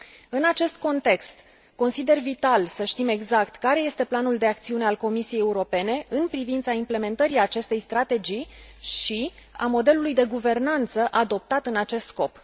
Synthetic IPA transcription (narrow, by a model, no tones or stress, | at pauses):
ɨnat͡ʃe̞st̪̚ko̞nt̪e̞kst̪ | ko̞nsid̪e̞rvit̪alsəʃt̪ime̞ɡzakt̪kaɾeje̞st̪e̞planuld̪e̞ak̚t̪siune̞alko̞misijejeuɾo̞pe̞ne̞ɨnpɾivint̪saimple̞me̞nt̪əɾiat͡ʃe̞st̪e̞jst̪ɾat̪e̞d͡ʒiʃia̰mo̞d̪e̞lulujd̪e̞ɡuve̞rnant̪səʔad̪o̞p̚t̪at̪ɨnat͡ʃe̞st̪sko̞p